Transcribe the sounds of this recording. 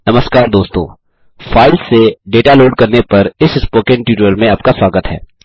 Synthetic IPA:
nɐməskaːɾd̪oːst̪o̰ː | faːɪlseɖeːʈaloːɖkɐɾnepɐɾɪsspoːkɪ̃ɳʈjuːʈɾəlmẽɐp̚kaswaːɡət̪ɦɛ̰ː

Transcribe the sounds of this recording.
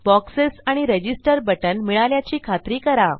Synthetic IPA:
bɔksesaɽ̃iɾed͡ʑisʈəɾbəʈənmiɭaljat͡ɕiːkʰat̪ɾiːkəɾa

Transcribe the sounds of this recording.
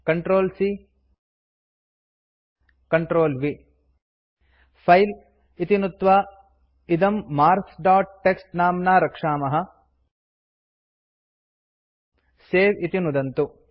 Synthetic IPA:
kɐɳʈɾoːlsi | kɐɳʈɾoːlʋi | pʰɐjl | it̪inut̪ʋa | id̪ɐmːaːɾksɖaːʈ̚ʈːeksʈnaːmnaːɾɐkʂaːmɐɦɐ̆ | seːʋit̪inud̪ɐnt̪u

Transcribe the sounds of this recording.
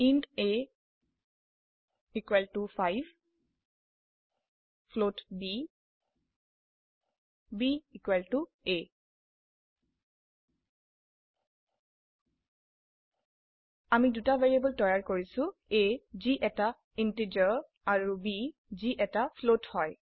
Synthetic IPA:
inde | ikweltupʰajv | pʰlotbi | biikweltu | e | amidutaveɹiabɔltɔjaɹkoɹisʊ̃eziʔɛta | inted͡ʒɔɹ | aɹubiziʔɛtapʰlothɔj

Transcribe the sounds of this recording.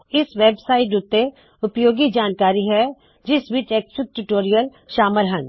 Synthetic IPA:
ɪsʋeːbsaːɪʈʊt̪ːe | ʊpjoːɡid͡ʒaːnkaːɾiɦɛ | d͡ʒɪsʋɪt͡ʃeːksʊd̪̚ʈuʈoːɾijəl | ʃaːməlɦɐ̃n

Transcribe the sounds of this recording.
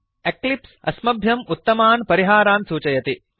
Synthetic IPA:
eklipsɐ̰smɐbʱjɐmut̪ːɐmaːnpɐɾiɦaːɾaːnsuːt͡ʃɐjɐt̪i

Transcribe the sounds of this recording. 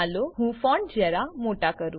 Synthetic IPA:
aloɦũfɔ̃ɳd͡ʑɛɾamoʈakəɾũː

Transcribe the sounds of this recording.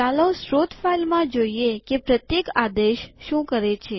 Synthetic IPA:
alosɾot̪failmãd͡ʒoiekepɾət̪jekad̪eʃʃũkəɾet͡ʃʰe

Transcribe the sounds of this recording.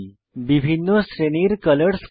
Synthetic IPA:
bibʱinːəsɾeniːɾkələɽs

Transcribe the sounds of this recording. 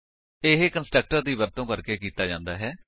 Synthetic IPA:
eɦekənsʈɾək̚ʈəɾd̪iːbəɾt̪õːkəɾkeːkiːt̪aːd͡ʒãːnd̪aːɦɛː

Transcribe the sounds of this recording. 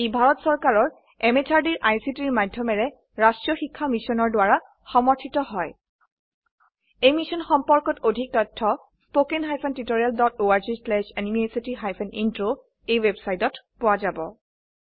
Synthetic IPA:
ebʱaɹɔtsɔɹkaɹɔɹ | ɛmetʰaɹdiɹʔajsitiɹmadʱjɔmɛɹɛ | ɹastɹiɔxikʰːamisɔnɔɹdwaɹa | xɔmɔɹtʰitɔɦɔj | ejmisɔnxɔmpɔɹkɔtodʱik̚tɔtʰːɔ | spokenɦajpʰɔntitoɹialdɔtoaɹzislɛʃanimiesitiɦajpʰɛnintɹo | ejwebsajtɔtpʊwazabɔ̰

